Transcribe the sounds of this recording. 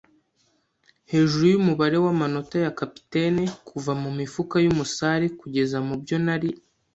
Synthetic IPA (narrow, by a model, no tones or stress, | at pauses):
he̞ːʒuɾujumuβaɾe̞wamano̞tajakapi̥te̞nekʰuvamumifukajumusaɾekuɟe̞zamubɟo̞naɾi